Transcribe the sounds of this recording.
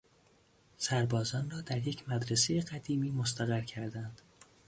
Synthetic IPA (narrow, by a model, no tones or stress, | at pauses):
sæɾbɒːzɒːnrɒːd̪æɾjecʰmæd̪ɾesejeɢæd̪iːmiːmost̪æɣæɾcʰæɾd̪ænd̪̥